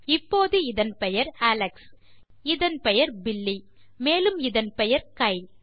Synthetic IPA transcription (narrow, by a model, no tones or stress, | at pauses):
ɪpːoːðɯɪðɐnpɛjɐɾaːlɛks | ɪðɐnpɛjɐɾbɪlːi | meːlɯmɪðɐnpɛjɐɾkɐɪl